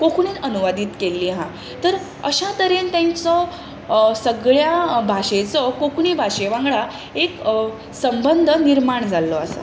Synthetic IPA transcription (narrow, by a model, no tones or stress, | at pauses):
kokʰɳiːnənuʋad̪iːt̪kelːiːɦã | t̪əɾ | əɕat̪əɾent̪jãɲt͡sɔ | səɡɭjabʱaɕet͡sɔkokɳ̃ibʱaɕeʋãŋɡɭa | ek | səmbənd̪ʱəniɾmaɳd͡zʱalːɔasə̰